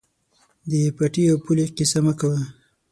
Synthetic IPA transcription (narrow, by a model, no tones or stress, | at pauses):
d̪əepaʈijawpuleqisaməkawa